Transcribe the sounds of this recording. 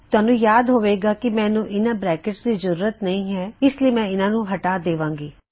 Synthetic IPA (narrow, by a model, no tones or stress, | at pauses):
t̪ɛːnũjaːd̪ɦoːʋeːɡakimɛ̃ːnũʔɪnãbɾɛːkɪʈsd̪izɐɾuːɾət̪nɐɦĩɦɛɪsliemɛ̃ːɪnãːnũɦɐʈaːd̪eːʋãːŋɡiː